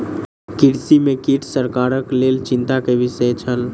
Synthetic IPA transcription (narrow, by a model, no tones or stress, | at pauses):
kiʈsimekiʈʰsəɾkaɾəklelt͡ʃint̪akeʋisəjt͡ʃʰəl